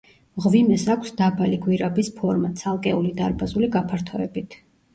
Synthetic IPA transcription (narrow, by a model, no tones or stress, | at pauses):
ʁvimɛsakʷʰsd̪abaliɡwiɾabispʰɔɾmat̪sʰalˠkʼɛulid̪aɾbazuliɡapʰaɾt̪ʰɔɛbit̪ʰ